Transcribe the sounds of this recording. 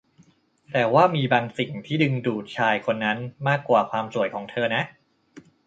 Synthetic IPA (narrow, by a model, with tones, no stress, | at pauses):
t̪ɛː˨˩waː˥˩miː˧baː˧ŋsi˨˩ŋt̪ʰiː˥˩dɯ˧ŋduː˨˩t̪̚t͡ɕʰaː˧jkʰo˧nːa˦˥nmaː˥˩kːwaː˨˩kʰwaː˧msu˨˩əjkʰɔː˩˦ŋt̪ʰɤː˧na˦˥ʔ